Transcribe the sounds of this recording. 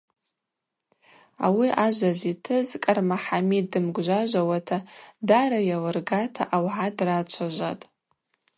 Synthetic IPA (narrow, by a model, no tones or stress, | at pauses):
a̰wiʔaʒʷazitʰɨzkʼarmaħamidɨmɡʷʒʷaʒʷawatʰadaɾajawɨrɡatʰaʔawʕadrat͡ʃʷʰaʒʷa̰tʼ